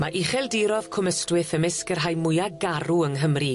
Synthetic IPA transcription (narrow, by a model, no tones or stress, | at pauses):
maʔiχɛlˠdiɾɔð̥kʰʊməstwɪθəmɪskərɦajmʊjaɡaɾuəŋɦəmri